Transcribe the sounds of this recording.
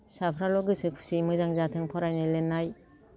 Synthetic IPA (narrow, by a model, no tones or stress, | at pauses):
sapʰɾalɔɡɯsɯkʰsimɯzaŋzatʰɯŋpʰɔɾajnɯlenaj